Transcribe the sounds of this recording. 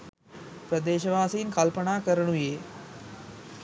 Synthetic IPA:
pɾəd̪eːʃɐʋaːsijinkɐlpɐnaːkəɾɐɳujeː

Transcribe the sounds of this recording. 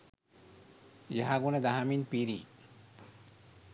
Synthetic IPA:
jaɦaɡuned̪aɦaminpiɾi

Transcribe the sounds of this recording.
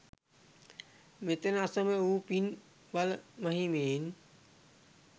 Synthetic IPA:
met̪enasəmeuːpin | balmaɦimen

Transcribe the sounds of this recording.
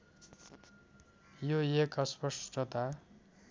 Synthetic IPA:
joekʌspʌsʈʌt̪a

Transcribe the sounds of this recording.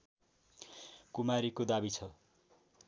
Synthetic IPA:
kumaɾikod̪abit͡sʰʌ

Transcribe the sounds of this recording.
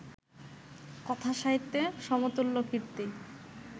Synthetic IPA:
kɔt̪ʰaʃaɦit̪ːeʃɔmot̪olːokʰiɾt̪i

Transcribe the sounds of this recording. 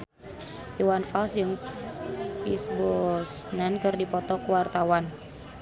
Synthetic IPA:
ʔiwanfalsjəŋ | pisbɔsnankɨrdipɔt̪ɔkuwart̪awan

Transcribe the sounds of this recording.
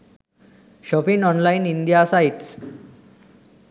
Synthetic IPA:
ɕɔpiŋɔ̃nlainind̪ijasaiʈs

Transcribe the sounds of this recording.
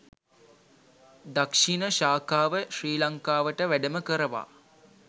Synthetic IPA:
d̪akʂinəʃaːkaːʋəɕriːlaŋkaːʋəʈəʋæɖəməkəɾəʋa̰ː

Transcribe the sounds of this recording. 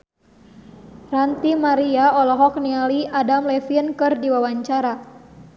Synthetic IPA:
rant̪imaɾiaɔlɔɦɔk̚nialiadamlɛfiənkɨrdiwawaɲt͡ʃaɾa

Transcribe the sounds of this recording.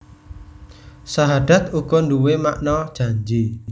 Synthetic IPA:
saɦad̥a̤t̪̚uɡ̥ɔ̤nduwemaʔnɔd̥ʒ̥a̤ɲd͡ʒi

